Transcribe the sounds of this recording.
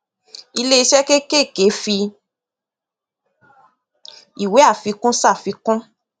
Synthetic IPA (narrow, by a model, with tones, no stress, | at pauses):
i˧le˦i˧ʃɛ˦ke˦ke˦˨ke˨˦fi˧ | i˨we˨˦a˦˨fi˨˧˦kũ˦sa˦˨fi˨˧kũ˦